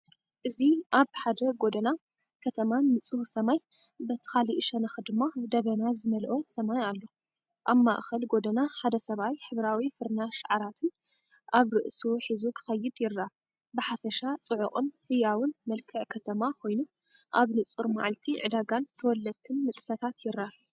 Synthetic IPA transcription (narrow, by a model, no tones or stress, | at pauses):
ʔɨziʔaβħad̪ɐɡo̞d̪ɐna | kʰɐt̪ʰɐmanːɨt͡sʼuhsɐmaj | bɐt̪ʰɐ̥xaliʔʃɐnɐxɨd̪ɨmːad̪ɐβɐnazɨmɐlʔo̞sɐmajalːo | ʔaβma̰ʔxɐlɡo̞d̪ɐnaħad̪ɐsɐβajħɨβɾawifɨɾnaʃaʕaɾat̪ʰɨn | ʔaβɾɨʔsuħizukʰɨ̥xɐjːɪd̪jɪɾːa | bɨħafɐʃat͡sʼɨʕʊχʼɨnhɨjawɨnmɐlkʰɨʕkʰɐt̪ʰɐmakʰo̞jnu | ʔaβnɨt͡sʼɨɾma̰ʕlt̪ʰiʕɨ̰d̪aɡant̪ʰɐwɔlːɐd̪̚t̪ʰːɨnmɨt̪ʼfɐt̪ʰat̪jɪɾːa